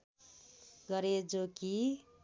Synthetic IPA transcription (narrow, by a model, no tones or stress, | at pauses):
ɡʌɾed͡zoki